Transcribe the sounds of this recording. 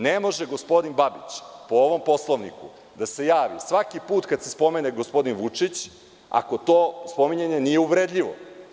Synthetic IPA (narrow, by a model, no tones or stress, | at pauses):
nemo̞ʒeɡo̞spo̞d̪inbabit͡ɕpooʋo̞mpo̞slˠoʋnḭkṵ | d̪ase̞jaːʋisʋakipuːt̪kad̪sespo̞meneɡospo̞d̪inʋut͡ʂit͡ɕ | a̰ko̞t̪oːspo̞miɲeɲe̞nijeuʋɾed̪ʎʲiʋo̰